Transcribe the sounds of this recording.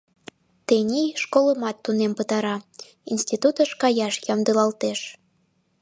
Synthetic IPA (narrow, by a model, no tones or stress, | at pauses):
t̪enʲiʃkoləmɑt̪ːunempət̪ɑɾɑ | insʲt̪ʲit̪ut̪əʃkɑjɑʃjɑmd̪ɯlɑlt̪eʃ